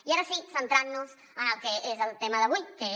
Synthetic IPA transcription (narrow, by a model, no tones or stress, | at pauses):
iaɾəsisənt̪ɾanːuz | ənəlˠkeezəlˠt̪eməðəβujke